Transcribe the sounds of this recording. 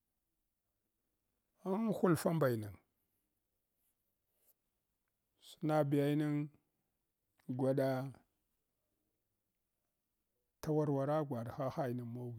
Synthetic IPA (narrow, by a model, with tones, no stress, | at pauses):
a˦n˦xu˦lfa˦mba˨jna˨ŋ | su˨na˦bi˨ja˦jni˦ŋ | ɡʷa˨ɗa˦ | ta˦wa˦ɾwa˨ɾa˦ɡʷa˨ɾxa˦xa˦ji˨ni˨mo˦ɡi˨